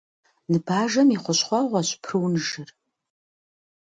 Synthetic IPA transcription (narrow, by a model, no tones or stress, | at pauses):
nɨbʰaːʒɐmiχʷɔɕχʷɑʁʷɑɕpʰrɨwnɨʒɨr